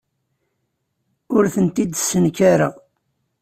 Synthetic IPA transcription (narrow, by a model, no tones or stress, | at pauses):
ʊɾθənt̪id̪sənkaɾa̰